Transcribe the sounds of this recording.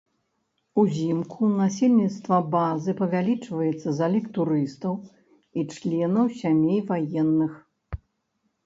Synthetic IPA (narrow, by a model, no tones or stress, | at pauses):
uzʲimkʰunasʲelʲnʲit̪st̪vɐbazɨpɐvʲalʲit͡ʂvɐjɛt̪sːɐzalʲikt̪uɾɨst̪ɐw | it͡ʂlʲɛnɐwsʲamʲejvajɛnːɨx